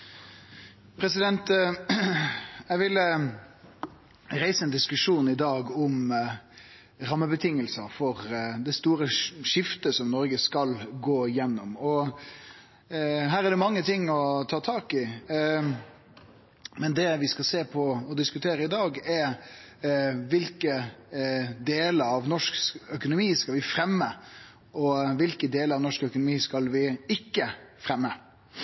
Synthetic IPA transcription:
pʰɾɛsɪd̪ɛnt̪ | ɛʋɪlːə | ɾæɪsəɛːnd̪ɪskʉʂuːnɪd̪ɑːɡɔm | ɾɑmːəbət̪ʰɪŋːəlsəfɔʁd̪ɛst̪uːɾəʂɪft̪əsɔmnɔɾɡəskɑlɡoːjɛnːɔmɔ | ɦæːɾæd̪ɛmɑŋːət̪ʰɪŋːɔt̪ʰɑːt̪ʰɑːkɪ | mɛnd̪ɛʋɪskɑseːpʰɔɔd̪ɪskʉt̪ʰeːɾəɪd̪ɑːɡɛɾ | ʋɪlkə | d̪eːləɾɑʋnɔʂksœkʊnʊmiːskɑlʋɪfɾɛmːə | ʔɔʋɪlkəd̪eːləɾɑʋnɔʂkœkʊnʊmiːskɑlʋɪɪkːəfɾɛmːə

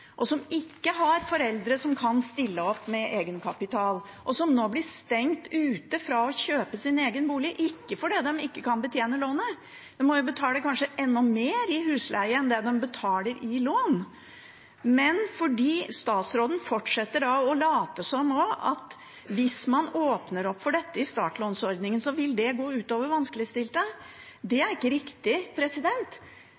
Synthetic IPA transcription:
ʔɔsɔmɪkːəɦɑɾfɔɾɛld̪ɾəsɔmkʰɑnst̪ɪlːəɔpːmɛʔeːɡənkʰɑpɪt̪ʰɑːl | ʔɔsɔmnoːblɪst̪ɛŋt̪ʉːt̪əfɾɑɔɕøːpəsɪneːɡənbuːlɪʔɪkːəfɔɖɛd̪ɛmɪkːəkʰɑnbət̪ʰjeːnəloːnə | d̪ɛmmɔjʊbət̪ʰɑːləkʰɑnʂəʔɛnːɔmeːɾɪɦʉːslæ̰ɪəɛnd̪ɛd̪ɛmbət̪ʰɑːləɾʔɪloːn | mɛnfɔɖiːst̪ɑːt̪sɾoːd̪n̩fɔʈʂɛt̪ːəɖɑɔlɑːt̪əsɔmɔɑ̰t̪ | ʋɪsmɑnoːpnəɾɔpːfɔɖɛt̪ːəɪst̪ɑ̰ːʈloːnsɔɾd̪nɪŋənsɔʋɪld̪ɛɡoːʉːt̪oːʋəɾʋɑnskəlɪəst̪ɪlt̪ə | d̪ɛæɾɪkːəɾɪkt̪ɪpʰɾɛsɪd̪ɛnt̪

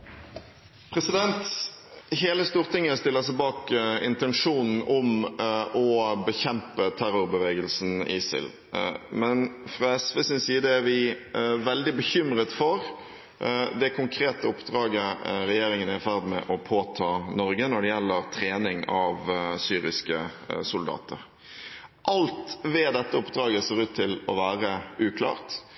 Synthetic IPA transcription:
pʰɾɛsɪd̪ɛnt̪ | heːləst̪uːʁt̪ʰɪŋːəst̪ɪlːəsæɪbɑːkɪ̰nt̪ɛnʂuːnn̩ɔmʔɔbəçɛmpət̪ʰæɾʊɾbəʋeːɡəlsn̩ɪ̰sɪ̰l | mɛnfʁɑːɛsʋeːsɪnsiːd̪əæɾʋɪʋɛld̪ɪbəçʏmɾət̪fɔɾ | d̪ɛkʰʊŋkʰɾeːt̪əʊpd̪ɾɑːɡəɾɛjeːɾɪŋənæɪfæʁd̪mɛʔɔpʰoːt̪ʰɑːnɔɾɡənɔɖɛjɛlːəɾt̪ʰɾeːnɪŋɑʋsyːɾɪskəsʊld̪ɑ̰ːt̪ə̰ɾ | ʔɑlt̪ʋɛːd̪ɛt̪ːəʊpd̪ɾɑːɡəseːɾʉːt̪ʰːɪlɔʋæːɾəʉːkʰlɑ̰ːʁt̪

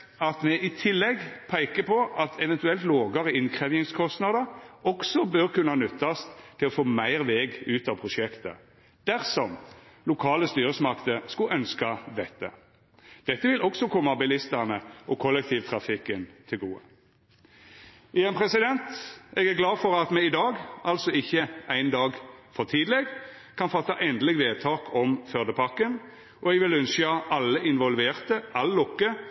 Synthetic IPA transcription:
ɑt̪mɛʔɪt̪ʰɪlːɛɡpʰæɪkəpʰɔʔɑt̪ʰɛʋɛnt̪ʉɛlt̪loːɡɑʁəɪnkʰʁɛʋjɪŋskʰɔst̪nɑd̪əɾɔɡsɔbøʁkʉnːəhɑnʉt̪ːɑst̪ʰːɪlɔfoːmæɪʁʋeːɡʉːt̪ɑʋpʰʁʊʃɛkt̪ə̰ | d̪̥æʁsɔmlʊkʰɑːləst̪yːʁəsmɑkt̪əskʉʔœnskɑd̪ɛt̪ːə̰ | d̪̥ɛt̪ːəʋɪlɔɡsɔkʰɔmːɑbɪlɪst̪əʁnəʔɔkʰɔlːɛk̚t̪ʰiːʋt̪ʰʁɑfɪkːənt̪ʰɪlɡuːə̰ | ʔɪjɛnpʰʁɛsɪd̪ɛnt̪ɛɡæʁɡlɑːfɔʁɑt̪mɛɪd̪ɑːɡɑlsɔɪçːəæɪnd̪ɑːɡfɔʁt̪ʰiːd̪lɛɡ | kʰɑnfɑt̪ːɑʔɛnd̪əlɪɡʋeːt̪ʰɑːkʰɔmfœʁd̪əpʰɑkːən | ʔɔɛɡʋɪlʉnsɑʔɑlːəʔɪnʋɔlʋeːʁt̪əʔɑləlʊkːə

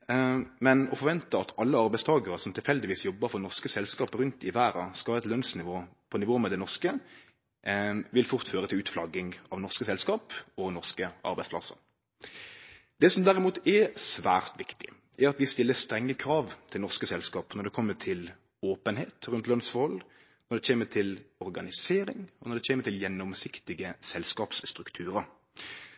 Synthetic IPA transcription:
mɛnɔfɔɾʋɛnt̪əɑt̪ʰɑlːəɑɾbæɪst̪ʰɑːɡəɾəsɔmt̪ʰɪlfɛld̪ɪʋiːsjɔbːəɾfɔnɔʁskəsɛlskɑːpɾʉnt̪ɪʋæːɾɑskɑɑɛt̪lœnsnɪʋoːpʰɔnɪʋoːmɛd̪ɛnɔʁskə | ʋɪlfʊʁt̪føːɾət̪ʰɪlʉːt̪flɑɡɪŋɑʋnɔʁskəsɛlskɑːpɔnɔʁskəʔɑ̰ɾbæɪspʰlɑ̰sə̰ɾ | d̪̥ɛːsɔmd̪æɾɪmuːt̪ɛsʋæ̰ːʁt̪ʋɪkt̪ɪ | æɾɑt̪ʋɪst̪ɪlːəst̪ɾɛŋːəkʰɾɑːʋt̪ʰɪlnɔʁskəsɛlskɑːpnɔɖ̪ɛkʰɔmːəʈ̪ʰɪl | oːpənheːt̪ɾʉnt̪lœnsfɔʁhɔlː | nɔɾɖ̪ɛçeːmət̪ʰɪlɔɾɡɑnɪseːɾɪ̰ŋɔnɔɾɖ̪ɛçeːməɾt̪ʰɪljɛnːɔmsɪkt̪ɪɡəsɛlskɑːpsst̪ɾʉkt̪ʰʉːɾəɾ

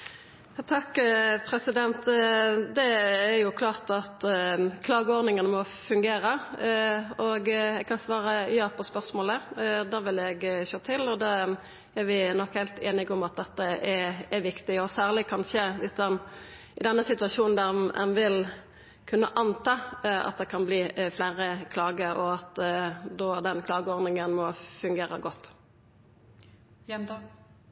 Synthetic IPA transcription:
jɑːt̪ʰɑkːpʰɾɛsɪd̪ɛnt̪d̪ɛːɾjʊkʰlɑːʁt̪ɑt̪kʰlɑːɡəɔːʁd̪nɪŋənəmɔ | fʉŋɡeːɾə | ɔɡɛɡ̚kʰɑnsʋɑːɾəjɑːpʰɔspœʁsmoːləd̪ɑːʋɪlɛɡɕøːt̪ʰɪlɔd̪ɑː | æɾʋɪnɔkhɛɪlt̪ʰeːnɪɡʊmɑt̪̚d̪ɛt̪ːəɛɛʋɪkt̪ɪɔsæːʁlɪkʰɑnʃəʋɪsd̪ɛn | ʔɪd̪ɛnːəsɪt̪ʉʋɑʃuːnn̩d̪æɾɛ̰nʋɪl | kʰʉnːəʔɑnt̪ɑːɑ̰t̪̚d̪ɛkʰɑnbliːflæɪɾəkʰlɑːɡəɔɑt̪d̪oːd̪ɛnkʰlɑːɡəɔʁd̪nɪŋənmɔfʉŋɡeːɾəɡɔt̪ː

